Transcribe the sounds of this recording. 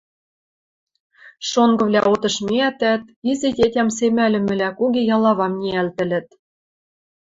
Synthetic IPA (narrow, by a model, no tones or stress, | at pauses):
ʃoŋɡɤ̆vlʲæʔot̪ɤ̆ʃmeæt̪æt̪izetʲetʲæms̬emælʲɘ̆mɘ̆lʲækuɣejɑlɑβɑmnʲiælt̪ɘ̆lɘ̆t̪̚